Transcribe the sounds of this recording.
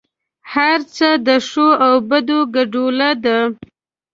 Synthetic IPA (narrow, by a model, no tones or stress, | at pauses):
haɾt͡səd̪əʂoawbad̪oɡaɖolad̪a